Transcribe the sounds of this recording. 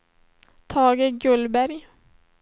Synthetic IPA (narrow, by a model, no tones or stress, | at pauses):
t̪ʰɑːɡəɡɵlbæɾj